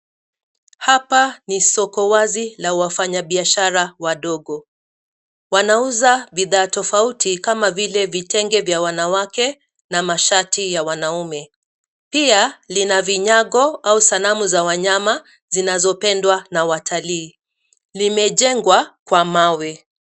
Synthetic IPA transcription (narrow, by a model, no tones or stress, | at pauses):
hapanisɔkɔwazilawafaɲaɓiaʃaɾawaɗɔɠɔ | wanauzaɓiðaːtɔfautʰikamavilɛvitɛŋɡɛvjawanawakɛ | namaʃatijawanaumɛ | pialinaviɲaɠɔausalamuzawaɲama | zinazɔpɛndwanawatʰaliː | limɛʄɛŋɡwakwamawɛ